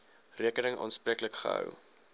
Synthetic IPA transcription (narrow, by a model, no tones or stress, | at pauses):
riəkənəŋʔɑ̰ːnspriəkləkχə̰ɦə̰w